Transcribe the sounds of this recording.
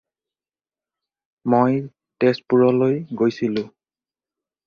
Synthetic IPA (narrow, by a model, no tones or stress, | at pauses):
moj | tes̚puɹɔlojɡojsilʊ̃